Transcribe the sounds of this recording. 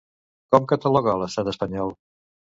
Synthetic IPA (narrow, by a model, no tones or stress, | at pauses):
kɔmkət̪əlɔɣaləst̪at̪əspəɲɔlˠ